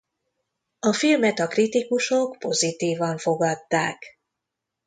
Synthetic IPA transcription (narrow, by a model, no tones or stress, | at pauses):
ɒfilmɛt̪ɒkrit̪ikuʃo̞kpo̞zit̪iːvɒɱfo̞ɡɒt̪ːaːk